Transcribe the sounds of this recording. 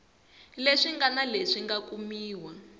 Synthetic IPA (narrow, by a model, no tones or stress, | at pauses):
leʂiŋɡanaleʂiŋɡakumiːwa